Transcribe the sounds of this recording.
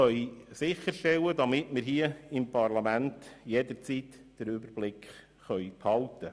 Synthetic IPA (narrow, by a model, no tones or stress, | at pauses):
œʏsɪχəɾʃtɛwədɑmɪtmɪɾɦiəɪmpɑrlɑmæntjɛdəɾt͡siːt | d̥əɾʏbərb̥lɪkχ | χœʏphɑltə